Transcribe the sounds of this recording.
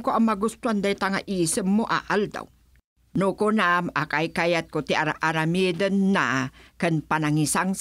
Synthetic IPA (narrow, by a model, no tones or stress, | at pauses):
koamaɡust̪uand̪ait̪aŋaʔisəmːoʔa̰ʔald̪a̰w | nukunamakajkajat̪̚kot̪iaɾaʔaɾamid̪ənːakənpanaŋisaŋs